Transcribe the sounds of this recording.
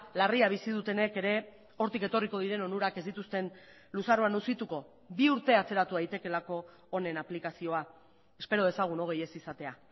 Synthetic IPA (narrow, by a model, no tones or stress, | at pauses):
lariaβisið̞ut̪e̞ne̞ke̞ɾe̞ | o̞ɾt̪ike̞t̪o̞riko̞ðiɾe̞no̞nuɾake̞zd̪it̪ust̪e̞n | lusaroanusit̪uko̞ | biuɾt̪e̞at͡se̞ɾat̪uðajt̪e̞ke̞lako̞ː | ne̞naplikasio̞a | e̞spe̞ɾo̞ð̞esaɣ̞uno̞ɣ̞e̞je̞sisat̪e̞a